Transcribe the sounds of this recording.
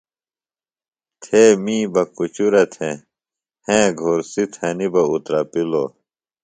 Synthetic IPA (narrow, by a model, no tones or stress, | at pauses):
t̪ʰeːmĩːbɐkut͡ɕuɾɐt̪ʰẽ | hẽːɡʱoːɾsit̪ʰɐnibɐut̪ɾɐpilo̰ː